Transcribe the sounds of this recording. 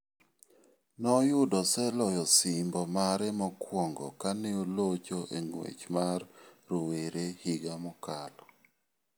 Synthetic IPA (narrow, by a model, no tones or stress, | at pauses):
nɔjʊdɔsɛlɔjɔsiɪmbɔmaɾɛmɔkwɔŋɡɔ̰kaneolot͡ʃoʔeŋwḛt͡ʃmarːoweɾehɪɡamɔkalɔ